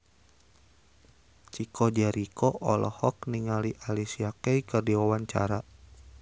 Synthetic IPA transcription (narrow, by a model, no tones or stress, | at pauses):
t͡ʃikʰɔd͡ʒaɾikʰɔʔɔlɔ̰hɔk̚niŋaliʔalisiakɛjkərdiwawaɲt͡ʃa̰ɾa